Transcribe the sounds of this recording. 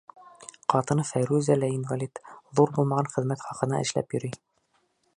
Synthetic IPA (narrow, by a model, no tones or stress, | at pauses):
qɑt̪ɤ̆nɤfæjɾʉzælæinvalʲit̪ðuɾbulˠmɑʁɑnχɘ̆ðmæt̪χɒqɤ̆nɑ̰ʔɘ̆ʃlæ̰pjɵ̆ɾi